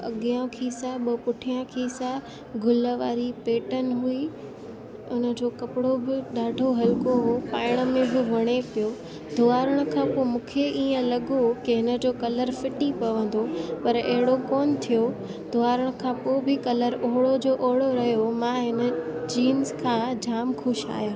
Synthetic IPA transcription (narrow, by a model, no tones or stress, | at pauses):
ɐ̰ɠijãkʰiːsaɓɐpʊʈʰijãkʰiːsa | ɡʱʊləʋaːɾipeːʈənɪɦui | ʊnə̆d͡ʑoːkɐpɪɽobɪɗaːɖʱoɦɐlkoɦopaːɪɽ̃ə̆mẽbɪʋɐɽ̃epijo | d̪ʱʊaːɾəɽ̃kʰãpomũːkʰeʔiːə̃lɐɠokɪɦɪnə̆d͡ʑoːkɐləɾfɪʈipɐʋə̃nd̪opɐɾɐɦɪɽokɔːnt̪ʰijo | d̪̥ʱʊaːɾəɽ̃kʰãpoːbɪkɐləɾoɦɪɽod͡ʑoːʔoɦɽoɾɐɦijomãːɦɪnə̆d͡ʑiːnzkʰãːd͡ʑʱaːmxʰʊʃa̰ːɦjaː